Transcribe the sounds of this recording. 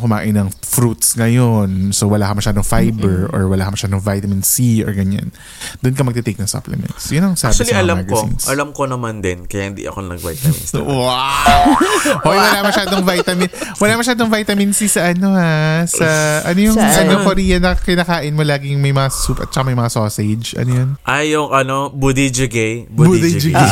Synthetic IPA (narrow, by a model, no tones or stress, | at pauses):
kʊma̰ːʔɪnɐŋfɾut̪sŋɐjo̞nsowɐlaːkɐmɐʃaːd̪oŋfajbɛɹʔo̰ɹwɐlaːkɐmɐʃaːd̪oŋvajt̪ɐmɪnsiʔo̰ɹɡɐɲa̰n | d̪ʊnkɐmɐɡ̚t̪ɛt̪ejknɐŋso̰plɛ̰mɛ̰nsjʊnoŋsabɐliɐlamaɡɐzḭnsʔɐlamkonɐmand̪ɪnkɐjaʔhɪnd̪ḭʔɐ̰konɐ̰ɡva̰jt̪ɐmɪ̰wa | ʔojwɐlamɐʃaːd̪oŋvajt̪ɐmɪnwɐlamɐʃaːd̪oŋvajt̪ɐmɪnsisɐʔɐno̞hasɐʔɐnojʊŋɐnokoɾiːɐnɐkɪnaːkaːʔɪnmolaːɡɪjʊŋmɐjmɐŋasupʔɐ̰t̪̚t͡ʃɐkɐmɐjmɐŋasoːsɛd͡ʒʔɐ̰nojonʔajʊŋʔɐnobud̪id͡ʒɪɡɛjbbud̪ijd͡ʒɪe